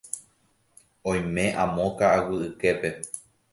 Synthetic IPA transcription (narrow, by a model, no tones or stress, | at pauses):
õj̃mẽ̞ʔãmõkaʔawɨɨke̞pe̞